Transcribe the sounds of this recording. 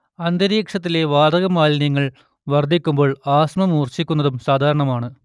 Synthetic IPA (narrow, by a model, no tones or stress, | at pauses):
ɐnd̪ɐɾiːkʂɐt̪ːileʋaːd̪ɐɣɐmaːlniŋːɐɭ | ʋɐrd̪ʱikʲːumbo̞ːɭaːsmɐmuːrt͡ɕikʲːunːɐðumsaːd̪ʱaːɾɐɳɐmaːɳɨ